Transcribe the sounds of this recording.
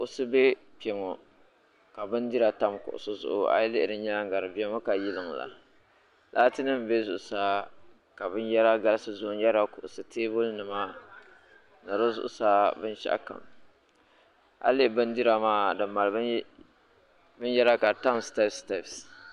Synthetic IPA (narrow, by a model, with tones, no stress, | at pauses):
kʊ˨ʔʊ˦sɨ˦be˦ | pi˨ɛ˨ŋɔ˨ | ka˨bɨ˦ndi˦ɾa˨ta˦mkʊ̰˨ʔʊ̰˨sɨ˦zʊ̰˨ʔʊ̰˨ʔa̰˦jlɪ˦ʔɪ˨dɨ˦ɲa˦ŋ˦ɡa˨ɾɨ˨bɛ˦ŋo˦ka˨ji˦lɨ˨ŋ˨la̰˨ | la˦tɨ˦nɨ˦m˨be˦zʊ˨ʔʊ˨saː˦ | ka˨bɨ˦njɛ˦ɾa˦ɡa˦lsɨ˦zʊ˦ʊ˦n˦ɛ˦ɾa˦kʊ˨ʔʊ˨sɨ˨tʰeː˦bʊ˦lnɨ˨ma˦ | nɨ˨ɾɨ˦zʊ̰˦˨ʔʊ˨˦saː˦bɨ˦nʃa̰˦ʔka̰˨m | a̰˦lɪ˦˨bɨ˦ndi˦ɾa˨maː˦dɨ˨mːa˨l | bɨ˦njɛ˦ɾa˦ka˨ta˦msta˦fsta˦˨fs